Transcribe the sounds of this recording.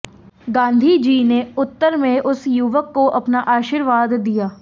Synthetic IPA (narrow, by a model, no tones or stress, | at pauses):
ɡãːnd̪ʱiːd͡ʒiːneʊt̪ːəɾmẽʔʊsjuʋəkːoʔɐpnaʔaːʃiːɾʋaːd̪ːijaː